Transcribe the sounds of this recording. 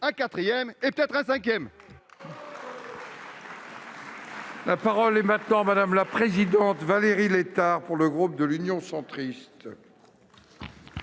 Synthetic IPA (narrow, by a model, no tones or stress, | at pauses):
ɛ̃kat̪χijɛmepø̥t̪ɛt̪χɛ̃sɛ̃kʲjɛm | lapaʁɔlɛmɛ̃t̪nɑ̃mad̪amlapχezid̪ɑ̃t̪valeʁilet̪aʁpuʁləɡʁup̚d̪əlynjɔ̃sɑ̃t̪χist̪